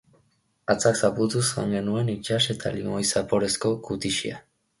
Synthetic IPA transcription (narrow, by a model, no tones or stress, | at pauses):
at͡saksaput̪usa̰ŋɡe̞nue̞nit͡ʃase̞t̪a̰limo̞jsapo̞ɾe̞sko̞kut̪iʃḭa̰